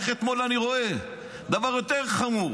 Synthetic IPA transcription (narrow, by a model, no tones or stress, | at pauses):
χet̪mo̞laniʁo̞e | d̪avaʁjot̪eʁχamuʁ